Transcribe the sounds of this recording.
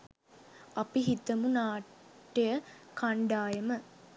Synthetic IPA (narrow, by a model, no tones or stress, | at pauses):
ɐpiɦit̪əmunaː | ʈːejəkʰaɳɖaːjəmə